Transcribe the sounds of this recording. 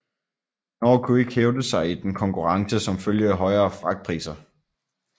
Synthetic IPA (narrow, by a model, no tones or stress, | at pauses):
nɒ̰ːkʰue̝ɡ̥heʊd̥əsɑ̈ɪid̥enkʰɒ̽ŋkʰuʁɑ̈ŋsəsɒ̽mføljəæɦɒ̽ɪɐːfʁɑ̈ɡ̥̚pʰʁḭːsɐ